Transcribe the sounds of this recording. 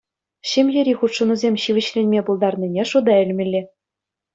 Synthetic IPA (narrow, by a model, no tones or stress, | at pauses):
ɕɘ̆mʲjɘ̆ɾʲiχut̪ʂɤ̆nuzʲemʲɕiʋʲɘ̆ɕlʲenʲmʲebulˠd̪ɑrnʲinʲeʂud̪ɑɘ̆lʲmʲɘ̆lʲːɘ̆